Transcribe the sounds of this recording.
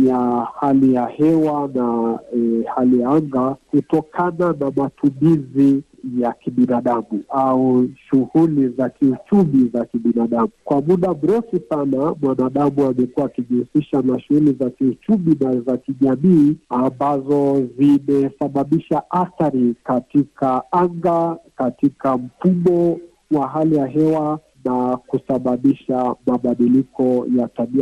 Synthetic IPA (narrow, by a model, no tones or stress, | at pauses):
jahalijahɛwana | halijaaŋɡakutɔkʰananamatumizi | jakiɓinaɗamuauʃuhulizakiut͡ʃumizakiɓinaɗamukwamuɗam̩ɾɛfisanamwanaːɗamuamɛkuwaːkiʄuusiʃanaʃuɣulizakiut͡ʃuɓinazakiʄamiːambazɔzimɛsaɓaɓiʃaʔaθaɾikatikaaŋɡakatikam̩fuɓɔ | waɦalijaɦɛwa | nakusaɓaɓiʃamaɓaɗilikɔjataɓia